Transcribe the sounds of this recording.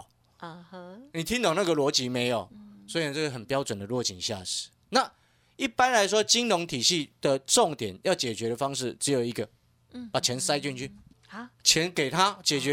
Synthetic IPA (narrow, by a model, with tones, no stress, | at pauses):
ni˨˩t̪ʰi˦ŋt̪o˨˩na˥˩ɡə˨lwɔ˧˥t͡ɕi˨˦mẽ˨˧˦ɪjo˨˩swɔ˧˥i˨nə˨˩t͡sə˥˩ɡə˩ə˨˩npjɑ˦ʊt͡swə˨˩nd̪ə˩lwɔ˥˩t͡ɕʰi˨˩ŋɕja̰˥˩ʂɻ̩̥˨˦ | na˥˨ | i˥˩pa˦nla˧˦ɪʂ̬wɔ˦t͡ɕi˦nlʊ˧˦ŋt̪ʰi˨˩ɕi˥˨d̪̥ə˨t͡sɔ˥˨ŋt̪jɛ˨˩˦njʔɑ˥˨˩ʊt͡ɕɛ˨˩t͡ɕɥɛ˨˦ɾə˨fa˦ŋʂɻ̩˥˩t͡s̩˧˦jo˨˩ʊi˧˦˥ɡə˨ | pa˨˩t͡ɕʰjɛ˨˧˦nsa˥˦ɪt͡ɕy˥˧nt͡ɕʰy˥˩ | t͡ɕʰjɛ˧˦nke˨˩ɪt̪ʰa˦t͡ɕɛ˨˩t͡ɕɛ˧˦